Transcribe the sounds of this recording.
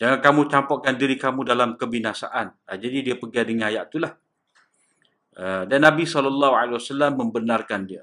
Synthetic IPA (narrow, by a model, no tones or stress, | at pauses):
d͡ʒaŋankamũt͡ʃampɔʔkandiɾikamũdalamkəbinasa̰ʔanəd͡ʒadidiəpəɡadəŋãnajaʔt̪ulah | ədanːãbisɔlɔlːɑɦualewasalamːəmbənarkandiə